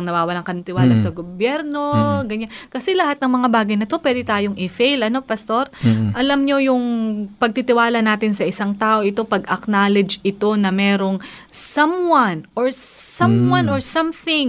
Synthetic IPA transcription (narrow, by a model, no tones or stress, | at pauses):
ɐŋnɐwaːwɐlaŋkɐnt̪ɪwaːlɐsɐɡobjɛɾno̞ɡɐɲankɐsɛlɐhat̪̚nɐŋmɐŋabaːɡɐjnɐt̪o̞pwɛːd̪ɪt̪aːjoŋɪfejlʔɐno̞pɐst̪o̞ɾʔɐlamɲo̞jʊŋpɐɡ̚t̪ɪt̪ɪwaːlɐnaːt̪ɪnsɐʔɪsaŋt̪aːʔoʔɪt̪o̞pɐɡɐknaːlɛd͡ʒʔɪt̪o̞nɐmɛːɾo̞ŋsɐmwɐnʔoɹsɐmwɐ̃noɹsɐmθɪŋ